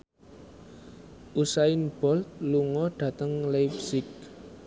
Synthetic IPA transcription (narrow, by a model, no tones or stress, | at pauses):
ʔusaɪnb̥ɔ̤lt̪̚luŋɔɖ̥ä̤t̪əŋlajpsɪk̚